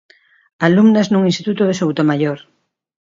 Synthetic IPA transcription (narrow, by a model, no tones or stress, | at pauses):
alumnaznuŋinst̪it̪ut̪oðesowt̪omaʎoɾ